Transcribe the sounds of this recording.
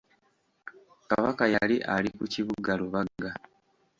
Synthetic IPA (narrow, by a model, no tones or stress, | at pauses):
ka̰βakajaaliʔalikuciβuɡaluβaɡa